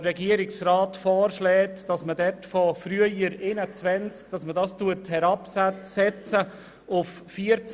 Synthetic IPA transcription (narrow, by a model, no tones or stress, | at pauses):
ɾɛɡiəɾɪksraːtfɔːɾʃlɛːtd̥ɑsmədɛtfɔfɾyəjəɾɪnət͡sʋɛnt͡sk̚d̥ɑsmədɑːstuəthɛɾɑpsɛsɛt͡sə | ʊf | fiːəɾt͡s